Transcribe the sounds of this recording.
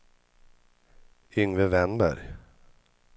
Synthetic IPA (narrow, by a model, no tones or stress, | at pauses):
ʏŋɾəvɛnbə̰ɾ